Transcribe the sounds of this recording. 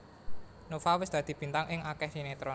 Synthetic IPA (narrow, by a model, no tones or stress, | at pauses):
nofawɪsd̪̥a̤d̪̥i̤b̥i̤nt̪aŋɪŋʔakɛhd̪̥inet̪ɾɔ